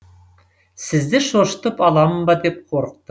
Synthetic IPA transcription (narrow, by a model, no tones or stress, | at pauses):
sɪ̆zd̪ɪʃoʃt̪əpɑlˠɑmbɑd̪ep̚qʰoɾəq̚t̪ə